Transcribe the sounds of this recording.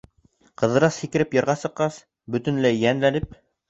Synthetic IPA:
qɤ̆ðɤ̆ɾɑshikɘ̆ɾɘpjɤ̆ɾʁɑsɤ̆qqːɑs | bɵ̆t̪ɘ̆nlæjːænlænɘp̚

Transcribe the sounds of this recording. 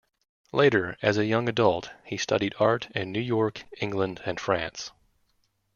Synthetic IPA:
leɪɾə˞ɨzɨjʌ̃ŋɨdʌlˠt̚histʰʌ̰ɾiɾɑɹɾɨ̃nːʉjɔɹkɪ̃ŋɡlə̃ndɨ̃nfɹæ̃ns

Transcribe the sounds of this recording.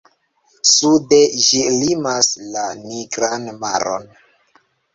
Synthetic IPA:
sude̞d͡ʒilimaslaniɡɾanma̰ɾʔo̰n

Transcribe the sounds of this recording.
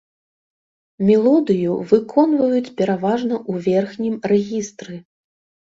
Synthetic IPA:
mʲɛlˠɔd̪ɨjuvɨkʰɔnvɐjut͡sʲpʲɛɾavaʐnɐʔuvʲɛrxnʲimrɛɣʲist̪ɾɨ

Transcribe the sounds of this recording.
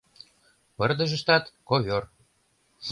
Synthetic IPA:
pərd̪ə̆ʒə̆ʃt̪ɑt̪koβʲor

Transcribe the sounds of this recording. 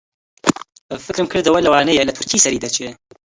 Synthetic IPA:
əfɨkɾɨmkʰɨɾd̪ɐwɐlɐwaːnɐjelɐt̪ʰʊɾkʰiːsɐɾiːd̪at͡ʃʰe

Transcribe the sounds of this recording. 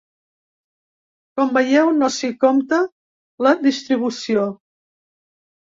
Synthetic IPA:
kɔmbəjɛwnosikomt̪ə | ləd̪ist̪ɾiβ̞usio

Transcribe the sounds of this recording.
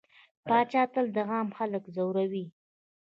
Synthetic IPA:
pɑt͡ʃɑt̪əld̪əɣɑmxaləkzawɾawi

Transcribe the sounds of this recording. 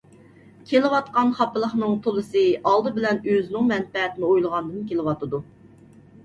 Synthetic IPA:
kʲʰelɪwɑt̪̚qɑnχɑpɨlˠəχnɨŋt̪ʰolˠɨsɨɑlˠd̪ɨbɪlɛnøznɪŋmɛnpɛɦɛt̪ɪnɪojlˠəʁɑnd̪ɨnkʲelɪwɑt̪ɨd̪u

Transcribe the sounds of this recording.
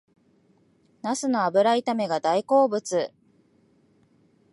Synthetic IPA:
nasɨno̞abɯ̟ɾait̪ame̞ɡad̪aiko̞ːbɯ̟t͡sɨ

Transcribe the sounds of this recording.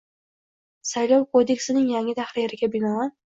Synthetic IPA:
sajlˠɒwkʰod̪e̞kʲsɪnɪŋjaŋɪd̪ahɾɪjeɾɪɡʲabɪnɒ

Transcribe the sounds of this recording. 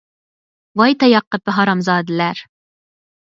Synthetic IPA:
wɑjt̪ʰɑjɑqːəp̚bɪɦɑɾɑmzɑːd̪ɨlæɾ

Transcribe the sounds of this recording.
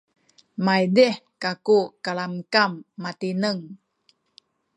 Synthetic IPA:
majdihkakukaɭamkamːatinəŋ

